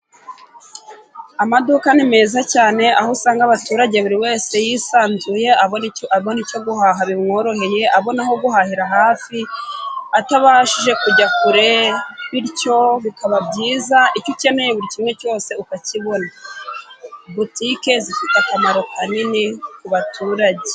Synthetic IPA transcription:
amadukanime̞ːzacaːne̞ʔahosaːŋɡaβatuːɾaɟe̞βuɾiwe̞ːse̞jisaːnzuje̞aoaβonico̞ɡuhaɦaβimŋo̞ːɾo̞ɦe̞je̞ʔaβo̞naho̞ɡuɦahiɾaɦaːfi | ataβaʃiʒe̞kuɟakuɾeβiɾco̞βikaβabɟiːzaʔicoce̞nejeβuɾicimŋe̞co̞ːse̞ukaciβo̞na | butike̞zifitakamaɾo̞kaninikuβatuːɾaɟe̞

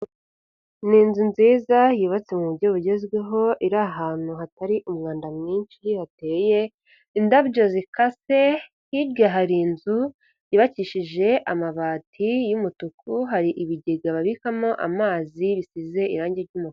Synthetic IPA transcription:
niːnzunziːzajiːβat͡se̞muβuɾɟo̞βuɟe̞zɡwe̞ɦo̞ʔiɾaɦaːn̥huɦataɾiʔumŋaːndamŋiːnʃihate̞je | indabɟozikase̞ | hiɾɡaɦaɾinzu | jiβaciːʃiʒe̞ʔamaβaːtʰijumutukʰuɦaɾiʔiβiɟeɡaβaβikamoʔa̰maːziβisize̞ḭɾaːɲɟe̞ɾɟumuk

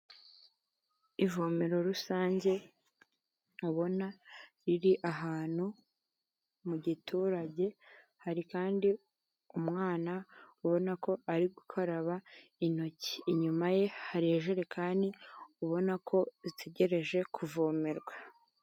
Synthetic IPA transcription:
ivo̞ːmeɾo̞ɾusaːɲɟe̞ | uβo̞naɾiɾiʔaɦaːn̥hu | muɟitʰuːɾaɟe̞ | haɾikaːndi | umŋaːnauβo̞nako̞ʔaɾiɡukʰaɾaβain̥o̞ci̥ːɲumaje̞haɾieʒeɾe̞kʰaːndiuβo̞nakʰo̞zitʰe̞ɟe̞ɾe̞ʒe̞kʰuvomeɾɡwa

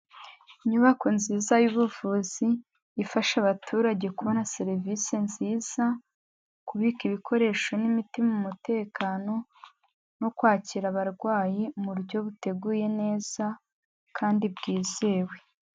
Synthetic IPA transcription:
ɲuβakonziːzajuβuvuːziː | faʃaβatʰuːɾaɟe̞kuβo̞naseɾvisinziːz̥a | kuβiːkiβikʰo̞ɾe̞ːʃo̞nimitimamumute̞ːkaːno̞ | no̞kwaːciɾaβaɾɡwaːjimuɾɟo̞βute̞ɡuːje̞ne̞ːz̥a | kʰaːndibɡiːze̞ːwe̞

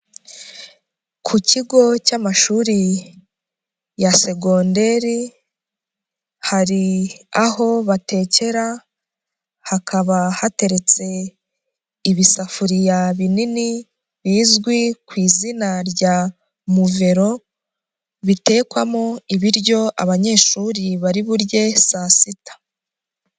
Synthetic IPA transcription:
kʰuciɡo̞camaʃuːɾi | jase̞ɡonde̞ɾi | haɾiaɦo̞βate̞ːce̞ɾa | hakʰaβahate̞ɾe̞t͡se̞ | iβisafuɾijaβinini | βiːzɡwikwiːzinaɾɟa | muve̞ɾo̞ | βite̞ːkwamoiβiɾɟo̞ʔa̰βaɲe̞ːʃuːɾiβaɾiβuɾje̞sasitḁ

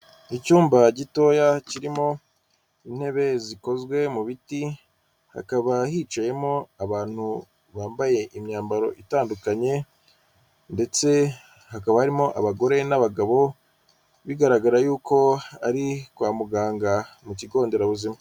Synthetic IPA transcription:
icuːmbaɟito̞jaciɾimo̞ | in̥e̞βe̞ziko̞zɡwe̞muβiti | ha̰kaβaɦiːt͡ʃaje̞mo̞aβaːn̥hu | βaːmbaje̞ʔimɲaːmbaɾo̞ʔitaːndukaɲe̞ | nde̞t͡se̞ | hakaβahaɾimo̞ʔaβaɡo̞ɾe̞naβaɡaβo̞ | βiɡaɾaɡaɾajuːko̞aɾikwaːmuɡaːŋɡamuciɡo̞ːnde̞ɾaβuzima

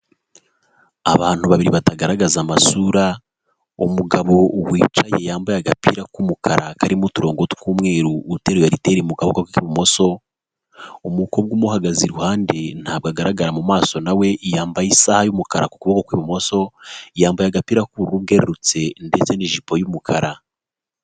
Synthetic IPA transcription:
aβaːn̥huβaβiɾiβataɡaɾaɡazamasuɾa | umuɡaβo̞wiːt͡ʃaje̞jaːmbajaɡapḭɾakumukʰaɾʔakaɾimutuɾo̞ːŋɡo̞tu̥kuːmŋe̞ːɾuute̞ːɾojaɾite̞ɾeumuɡaβokakikiβumo̞so̞ | omukob̚ɡuːmuhaɡaziɾuhaːnde̞n̥haːbɡaɡaɾaɡaɾamumaːso̞nawe̞ʔijaːmbajisahajumukaɾa̰ku̥kuβokokwiβumo̞so̞jaːmbajaɡapiːɾakuɾuuβ̚ɡe̞ɾeɾut͡se̞nde̞t͡se̞niʒipo̞jumukʰaɾa

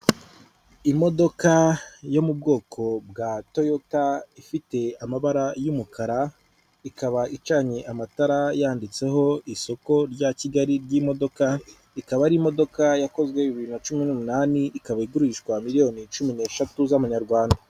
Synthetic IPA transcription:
imo̞do̞kajo̞mub̚ɡo̞ːkʰo̞bɡato̞jotaifite̞amaβaɾajumukʰaɾa | ikaβaʔit͡ʃaɲeʔamataɾajaːndit͡se̞ɦo̞iso̞ko̞ɾɟaciɡaɾiɾɟimo̞do̞ka | ikaβaɾiːmo̞do̞kajako̞zɡwe̞iβiβiɾnat͡ʃuminumunaːniʔikaβaiɡuɾiʃkwamiɾijo̞nit͡ʃumine̞ʃatuzaβaɲaɾɡwaːnda

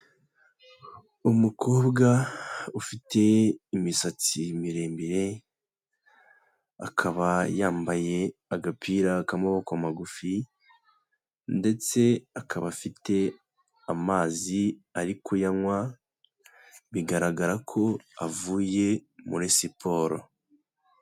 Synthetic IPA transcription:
umukʰo̞ːbɡaufite̞imisat͡simiɾe̞ːmbiɾe̞ | a̰kʰaβajaːmbaje̞aɡapʰiɾakamoβokwamaɡufi | nde̞t͡se̞akʰaβafite̞ | amaːziaɾikʰujaŋwa | βiɡaɾaɡaɾakʰo̞avuːje̞mṵɾesipʰo̞ːɾo̰

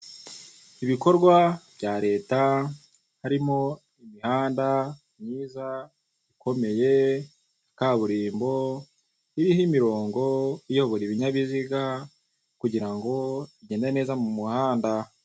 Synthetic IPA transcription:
iβiko̞ɾɡwaβ̥ɟaːɾe̞ːta | haɾimo̞ | imihaːnda | mɲiːza | iko̞me̞je̞ | kaːβuɾiːmbo̞ | iɾihimiɾo̞ːŋɡo̞ijoβoɾiβiɲaβiziɡa | kuɟiɾaŋɡo̞iɟe̞ːndaene̞ːzamumuhaːnda

